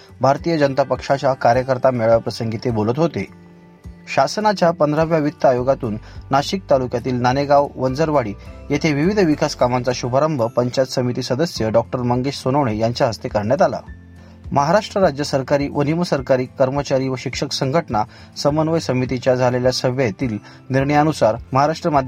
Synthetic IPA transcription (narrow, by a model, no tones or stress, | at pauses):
bʱaɾt̪ijəd͡ʑənət̪apəkʂat͡ɕjakaɾjəkəɾt̪ameɭʋjapɾəsəŋɡit̪ebolət̪ɦot̪e | ɕasənat͡ɕjapənd̪ʱɾaʋjaʋit̪ːəajoɡat̪uːnːaɕik̚t̪alukjat̪iːlnaneɡaʋʋənd͡zəɾʋaɽiːjet̪ʰeʋiʋid̪ʱʋikaskamant͡saɕubʱaɾəmbʱəpəɲt͡ɕat̪səmit̪iːsəd̪əsjəɖɔk̚ʈəɾməŋɡeɕsonəʋɳejaɲt͡ɕjaɦəst̪ekəɾɳjat̪ala̰ | məɦaɾaʂʈɾəɾad͡ʑjəsəɾkaɾiːʋʔəniməsəɾkaɾiːkːəɾmət͡ɕaɾiːʋəɕikʂəksəŋɡʱəʈna | səmənʋəjsəmit̪it͡ɕjad͡zʱaleljasəbʱjet̪iːl | niɾɳəjanusaɾməɦaɾaʂʈɾəmad̪ʱ